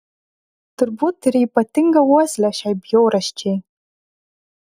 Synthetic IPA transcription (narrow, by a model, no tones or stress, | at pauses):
tʰɨrbut̚dɨɾijpʼatʰɨŋɡawaslaʃajbjowɾaʃt͡ʃʰe